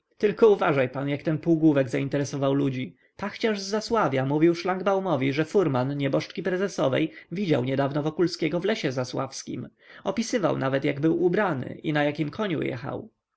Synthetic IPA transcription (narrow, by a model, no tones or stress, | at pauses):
t̪ɘlkɔuvaʐajpanjakt̪ɛnpuːɡwuvɛɡzaint̪ɛɾɛsɔvawlud͡ʑi | paxt͡ɕaʐzːaswavʲjamuvʲiwʂlaŋɡbawmɔvʲiʐɛfuɾmanɲɛbɔʂt͡ʂkʲipɾɛzɛsɔvɛ̰jvʲid͡ʑawɲɛd̪avnɔvɔkulskʲɛɡɔvlɛɕɛzaswa̰fskʲḭmɔpʲisɘva̰wnavɛt̪jaɡbɘwubɾanɘ̰ʔinajakʲimkʰɔɲṵjɛ̰xa̰w